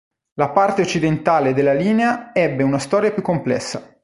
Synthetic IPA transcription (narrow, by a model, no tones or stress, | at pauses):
lapart̪eot͡ʃːid̪ent̪aːled̪elːaliːneaɛbːeunast̪ɔːɾjapjukːomplɛ̰sːa̰